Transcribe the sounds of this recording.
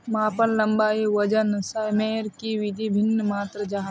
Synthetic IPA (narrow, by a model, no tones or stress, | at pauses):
maːpənlɐmbaːiʋɐd͡ʒənsajmeːɾkiʋid̪ʱibʱɪnːmaːt̪ɾəd͡ʒaːɦ